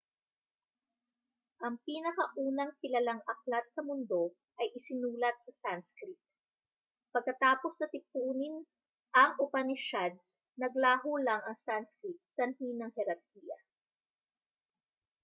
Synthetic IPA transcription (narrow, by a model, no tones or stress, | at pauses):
ʔɐŋpiːnɐkɐʔuːnɐŋkɪlɐlaŋɐk̚lat̪̚sɐmʊnd̪o̞ | ʔɐjʔɪsɪnuːlɐt̪̚sɐsanskɾit̪̚ | pɐɡ̚kɐt̪aːposnɐt̪ɪpuːnɪn | ʔɐŋʔʊpɐnɪʃad̪s | nɐɡlaːɦulaŋɐŋsanskɾit̪̚sɐnhinɐŋhɛɾɐɾkiːjɐ̰